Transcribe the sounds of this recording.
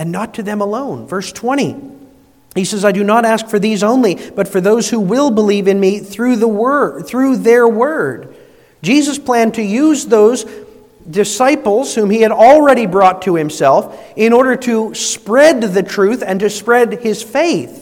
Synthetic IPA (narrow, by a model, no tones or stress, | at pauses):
ɨ̃nːətʰɨðɨ̃məlõʊ̃nvɜ˞stʰw̥ɛ̃ɾ̃ḭ | hisɛzaɪdɨnəɾæskfə˞ðizõʊ̃nlib̥ʌtfə˞ðoʊz̥huwɪlˠbəlivɨ̃nmiθɹʉðəwə˞θɹʉðə˞wɜ˞d̚ | d͡ʒizəspʰl̥æ̃ntʰɨjʉzðoʊz | dɨsaɪpl̩ˠz̥hũmiɨɾl̩ˠɹɛɾibɹɔtʰɨhɨ̃msɛlˠf | ɪ̃ñɔɹɾə˞ɾɨspɹɛd̪̚ðɨtʰɹ̥ʉθɨ̃ntɨspɹɛd̚ɪz̥feɪθ